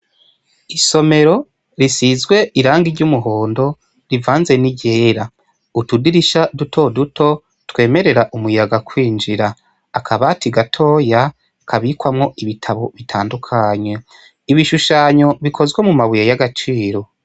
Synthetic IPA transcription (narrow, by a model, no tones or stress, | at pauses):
iso̞me̞ɾo̞ | ɾisizɡwe̞iɾaːŋɡiɾɟumuɦo̞ːndo̞ | ɾivaːnze̞niɟe̞ːɾa | utudiɾiʃadutʰo̞dutʰo̞ | twe̞ːme̞ɾe̞ɾaʔumujaɡakwiːnd͡ʒiɾaː | kʰaβatiɡatʰo̞ːja | kʰaβikwamŋo̞ʔiβitʰaβo̞βitʰaːndukʰaɲwe̞ | iβiʃuʃaːɲo̞βikʰo̞zɡwe̞mumaβujajaɡat͡ʃiːɾo̞